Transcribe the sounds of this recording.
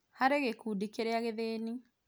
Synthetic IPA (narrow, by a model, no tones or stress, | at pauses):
haɾeɣekuːdikeɾeaɣeðeːni